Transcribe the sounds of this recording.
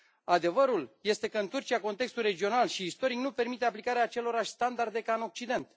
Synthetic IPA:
ad̪e̞vəɾulje̞st̪e̞kəɨnt̪urt͡ʃiako̞nt̪e̞kst̪ulrɾe̞d͡ʒio̞nalʃiːst̪o̞ɾiknupe̞rmit̪e̞aplikaɾeaːt͡ʃe̞lo̞ɾaʃʲst̪and̪ard̪e̞kaɨno̞k̚t͡ʃid̪e̞nt̪

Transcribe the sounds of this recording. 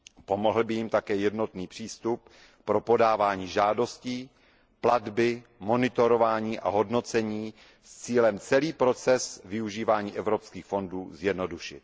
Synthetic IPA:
po̞mo̞ɦl̩bɪjɪmt̪akɛːjɛdno̞t̪niːpr̝̥iːst̪up̚ː | ɾo̞po̞daːvaːɲiːʒaːdo̞sciː | pladbɪmo̞nɪt̪o̞ɾovaːɲiːʔa̰ɦo̞dno̞t͡sɛɲiː | st͡siːlɛmt͡sɛliːpɾo̞t͡sɛsvɪuʒiːvaːɲiːʔɛvɾo̞pskiːxfo̞nduːzjɛdno̞duʃɪ̰t̪̚

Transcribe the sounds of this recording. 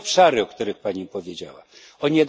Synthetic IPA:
pʂaɾɘɔkt̪uɾɘxpaɲipɔvʲjed͡ʑa̰wa̰ | ɔɲɛd̪

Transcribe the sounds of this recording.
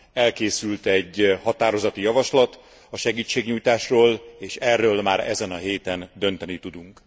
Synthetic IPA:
ɛlkeːsylt̪ɛɟːhɒt̪aːɾo̞zɒt̪ijɒvɒʃlɒt̪ | ɒʃɛɡiːt͡ʃːeːɡɲuːjt̪aːʃroːleːʃɛrːøːlmaːɾɛ̰zɛnɒɦeːt̪ɛnd̪ø̞nt̪ɛnit̪ud̪uŋk

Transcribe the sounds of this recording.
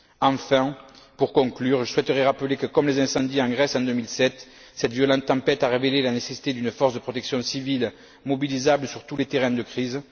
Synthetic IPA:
ɑ̃fɛ̃ | puʁkɔ̃klyʁʒəswɛt̪əʁɛʁapəlekəkɔmlezɛ̃sɑ̃d̪iɑ̃ɡʁɛsɑ̃d̪ømilsɛt̪ | sɛt̪əvjɔlɑ̃t̪t̪ːɑ̃pɛt̪aʁevelelanesesi̥t̪ed̪ynəfɔʁsd̪əpχɔt̪ɛksjɔ̃sivil | mɔbilizabləsyʁt̪ulet̪eʁɛ̃d̪əkχiz

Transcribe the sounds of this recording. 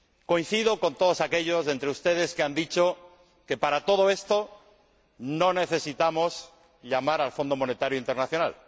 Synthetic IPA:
ko̞in̟θiðo̞ko̞nt̪o̞ð̞osake̞ʎo̞zðe̞nt̪ɾeust̪e̞ðe̞skeand̪it͡ʃo̞ | ke̞paɾat̪o̞ð̞o̞e̞st̪o̞ | no̞ne̞θe̞sit̪amos | ʎamaɾalfo̞nd̪o̞mo̞ne̞t̪aɾjoint̪e̞ɾnaθjo̞na̰l

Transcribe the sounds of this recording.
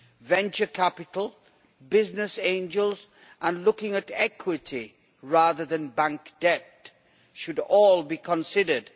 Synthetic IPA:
vɛ̃nt͡ʃəkʰæpɪtʰl̩ˠ | bɪznɪsẽɪ̃nd͡ʒəlˠz | ʔə̃nlʊkɪ̃ŋɨtɛkʰwɪtʰi | ɹaðəðɨ̃nbæ̃ŋkd̥ɛp | ʃʊdɔːlˠbikʰə̃nsɪdəd̥

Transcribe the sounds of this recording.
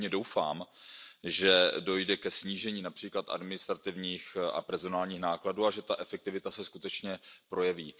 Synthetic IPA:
ɲɛdo̞wfa̰ːm | ʒɛdo̞jdɛkɛsɲiːʒɛɲiːnapr̥iːklat̪ʔa̰dmɪnɪst̪ɾat̪ɪvɲiːxa̰pɛɾzo̞naːlɲiːxnaːkladuːaʒɛt̪aʔɛfɛk̚t̪ɪvɪt̪asɛskut̪ɛt͡ʃɲɛpɾo̞jɛviː

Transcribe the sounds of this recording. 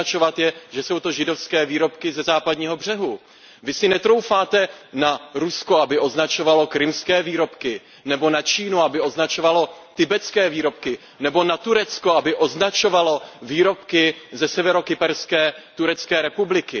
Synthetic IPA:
at͡ʃo̞vat̪jɛʒɛso̞wt̪o̞ʒɪdo̞fskɛːviːɾo̞pkɪzɛzaːpadɲiːɦo̞br̝ɛɦu | vɪsɪnɛt̪ɾo̞wfaːt̪ɛnaɾusko̞abɪʔo̞znat͡ʃo̞valo̞kɾɪmskɛːviːɾo̞pkɪ | nɛbo̞nat͡ʃiːnuabɪo̞znat͡ʃo̞valo̞t̪ɪbɛt͡skɛːviːɾo̞p̚kɪ | nɛbo̞nat̪uɾɛt͡skoabɪʔo̞znat͡ʃo̞valo̞viːɾo̞pkɪzɛsɛvɛɾo̞kɪpɛɾskɛːt̪uɾɛt͡skɛːɾɛpublɪkɪ

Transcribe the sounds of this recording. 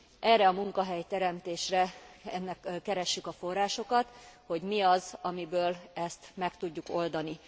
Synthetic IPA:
ʔɛrɛɒmuŋkɒɦɛjt̪ɛɾɛmt̪eːʃrɛɛnːɛkkːɛɾɛʃːykɒfo̞rːaːʃo̞kɒt̪ho̞ɟmiɒzɒmibøːlɛst̪mɛkt̪uɟːuko̞ld̪ɒni

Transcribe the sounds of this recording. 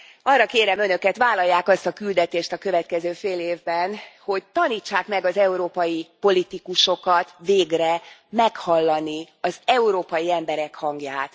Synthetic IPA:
ɒrːɒkeːɾɛmø̞nø̞kɛt̪ʋaːlɒjːaːkɒst̪ɒkyld̪ɛt̪eːʃt̪ɒkø̞vɛt̪̚kɛzøːfeːleːvbɛnho̞ɟt̪ɒniːt͡ʃːaːkmɛɡɒzɛuɾoːpɒjipo̞lit̪ikuʃo̞kɒt̪veːɡrɛmɛkhɒlːɒni | ɒzɛuɾoːpɒjiɛmbɛɾɛkhɒŋɡjaːt̪

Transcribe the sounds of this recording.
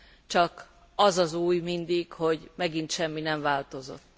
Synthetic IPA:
t͡ʃɒk | ɒzɒzuːjmind̪ikho̞ɟmɛɡint̪ʃɛmːinɛɱvaːlt̪o̞zo̰t̪ː

